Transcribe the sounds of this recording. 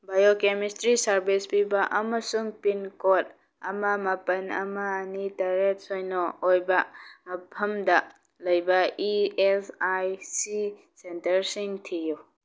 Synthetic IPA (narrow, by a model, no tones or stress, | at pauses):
bajokemistɾisɐɾbispibɐʔɐmɐsuŋpinkot̚ | ɐmɐmɐpɐnɐ̰maːnitɐɾet̚sojnɔojbɐpʰɐmdɐ | lɐjbɐiesajsi | sentɐɾsiŋtʰiju